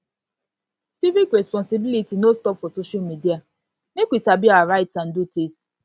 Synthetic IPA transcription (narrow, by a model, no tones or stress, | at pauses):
sivikɾespɔ̃nsibilitinostɔpfɔsoʃamidia | nekʷisabiaɾaɪtsan̩dutis